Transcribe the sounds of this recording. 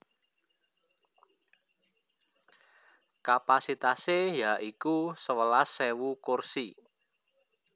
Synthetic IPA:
kapasit̪asejaʔikusəwəlasːewukursi

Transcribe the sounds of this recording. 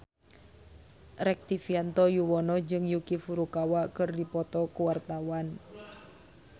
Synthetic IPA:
ɾɛk̚t̪ifiant̪ɔjuwɔnɔd͡ʒɨŋjukifuɾukawakɨrdipɔt̪ɔkuwart̪awan

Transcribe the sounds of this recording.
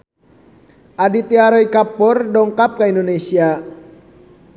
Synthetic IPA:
ʔadit̪iaɾɔikapːɔrdɔŋkap̚kaindonesia

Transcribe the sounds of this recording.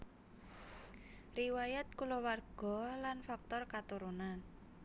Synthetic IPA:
riwajat̪̚kulowarɡ̥ɔ̤lanfak̚t̪ɔrkat̪uɾunan

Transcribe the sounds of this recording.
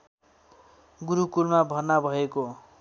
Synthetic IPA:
ɡuɾukulmabʱʌrnabʱʌeko

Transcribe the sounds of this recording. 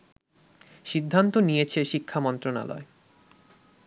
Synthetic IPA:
ʃid̪ʱːant̪onijet͡ɕʰeʃikʰːamɔnt̪ɾona̰lɔ̰e

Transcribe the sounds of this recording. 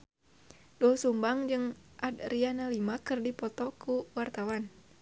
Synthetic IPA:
dɔsumbaŋd͡ʒɨŋʔadrianalimakɨrdipɔt̪ɔkʰuwart̪awan

